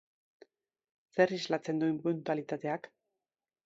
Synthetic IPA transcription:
se̞rizlat͡se̞nd̪ue̞mpunt̪ualit̪at̪e̞ak

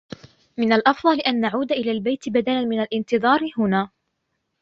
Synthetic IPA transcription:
mɪnalʔɑfd̪ˤɑlɪʔanːaʕuːd̪aʔɪlaːlbajt̪ɪbad̪alanmɪnalʔɪnt̪ɨðˤɑːɾhʊnaː

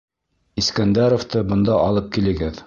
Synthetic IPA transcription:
iskænd̪æɾoft̪ɤbɤ̆nd̪ɑʔɑlˠɤp̚kilɘ̆ɡɘð

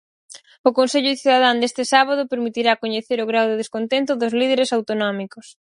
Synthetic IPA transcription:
ʊkonseʎʊθuðaðand̪est̪ɪsaβaðʊpeɾmit̪iɾakoɲeθeɾʊɣɾawðʊðeskont̪ent̪ʊðʊzlið̞eɾesawt̪onɔmikʊs

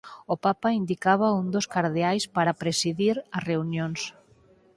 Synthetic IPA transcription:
opapaind̪ikaβ̞aund̪oskaɾðeajspaɾapɾesiðiɾɐsreunjõŋs

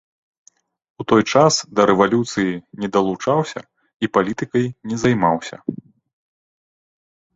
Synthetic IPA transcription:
ut̪ɔjt͡ʂasd̪ɐɾɛvalʲut̪sɨjinʲɛd̪ɐlˠut͡ʂawsʲɐ̰ | ipalʲit̪ɨkɐjnʲɛzajmawsʲɐ̰

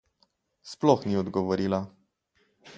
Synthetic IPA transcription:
splɔxniɔd̪ɡɔʋɔɾiːla

